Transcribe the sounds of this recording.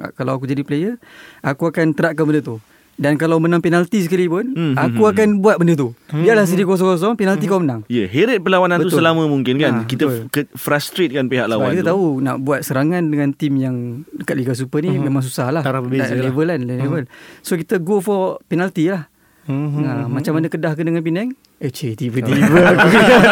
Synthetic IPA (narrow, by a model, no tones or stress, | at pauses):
kalawak̬ud͡ʒadiplejəakuakant̪əɾaʔ̪̚kanbəndət̪u | dankalawmənaŋpenalt̪is̬əkalipʊnakuakanbuat̪̚bəndət̪̬ubiaʔlahs̬ədikɔs̬ɔŋkɔs̬ɔŋpenalt̪ikaumənãŋjəɦeɾət̪̚pəlawananbəusəlamə̃muŋkɪnkanbkiət̪əlkəfɾast̪ɾet̪̚kanpiɦa̰ʔlawakit̪at̪auna̰ʔbuat̪̚səɾaŋandəŋãnt̪imjaŋəkaʔ̪̚likas̬upənimemãŋs̬usahlaaɾabəelevəlanllevəlsokit̪əɡofɔpenalt̪ilah | əmat͡ʃamanəkədahkəndəŋanpinɛŋ | et͡ʃet̪ivəivək